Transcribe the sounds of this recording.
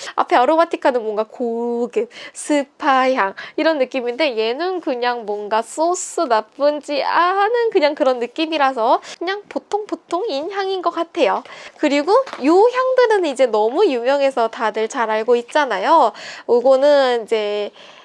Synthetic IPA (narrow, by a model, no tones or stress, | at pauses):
a̰pʰe̞ʌɾomatʰikʰanɯnmwʌŋɡakoɡɯmsʰɯpʰaçjaŋiɾʌnːɯk͈iminde̞je̞nunkɯɲaŋmwʌnɡas͈os͈ʰɯnap͈ɯnd͡ʑianɯnkɯɲaŋkɯɾʌnːɯk͈imiɾasʰʌkɯɲaŋpotʰoŋpotʰoŋinçjaŋinɡʌk͈atʰe̞jokɯɾiɡojoçjaŋdɯɾɯnɯnid͡ʑe̞nʌmujuŋjʌŋe̞sʰʌtadɯɭt͡ɕaɾaɭɡoit̚t͡ɕ͈anajouɡonɯnid͡ʑe̞